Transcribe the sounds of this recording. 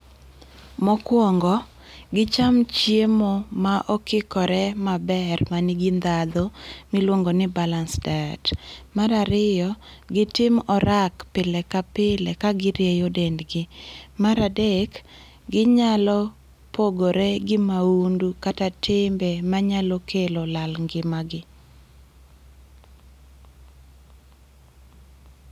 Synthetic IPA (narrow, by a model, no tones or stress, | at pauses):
mɔkwɔŋɡɔ | ɡɪt͡ʃamt͡ʃjemɔmaʔɔkɪkɔɾɛmabɛrmanɪɡɪnd̪ad̪omilwoŋɡonɪbalansdatmaɾaɾɪjɔɡɪtɪmɔɾakpɪlɛkapɪlɛkaɡɪɾjejodɛndɡɪmaɾadɛk | ɡɪɲalɔ | poɡoɾɛɡɪmaundukatatʰɪmbɛmaɲalɔkʰelolalŋɡɪmaɡɪ